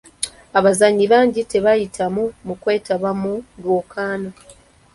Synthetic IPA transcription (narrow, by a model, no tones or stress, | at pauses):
aβazaɲːiβaːɲɟite̞βajitʰamumukwe̞ːtaβamudwoːkʰaːna